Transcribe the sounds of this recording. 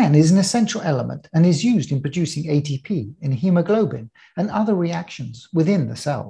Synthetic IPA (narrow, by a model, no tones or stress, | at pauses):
æ̃nɪzn̩ɨsɛ̃nt͡ʃɹəl̩ˠɛlˠəmə̰̃ntʰɨ̃nɪzjʉzdɨ̃npʰɹ̥ɨd͡ʒʉˑsɪ̃ŋeɪtʰipʰiɪ̃nhjʉməɡloʊbɪ̰̃ŋ | ɨ̃nʌðə˞ɹiækʃɨ̃nzwɪðɪ̃nðəsɛ̰lˠ